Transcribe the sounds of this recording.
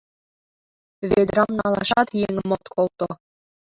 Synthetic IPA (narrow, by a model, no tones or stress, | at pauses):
βed̪ɾɑmnɑlˠɑʃɑt̪jeŋɘ̆mot̪kʰolˠt̪o